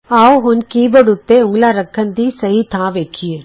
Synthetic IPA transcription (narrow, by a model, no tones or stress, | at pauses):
aːoɦʊnkiːbəɽʊt̪ːeʊ̃ŋɡlaɾɐkʰːənd̪iːsɐɦit̪ʰãːʋeːkʰie